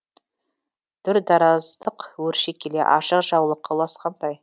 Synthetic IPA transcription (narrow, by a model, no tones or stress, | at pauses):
t̪ʰʏɾd̪ɑɾɑzd̪əqwɵɾʃekʲʰːelḛʔɑ̰ʃəqʒɑwlˠəqːɑwlˠɑsqɑnd̪ɑj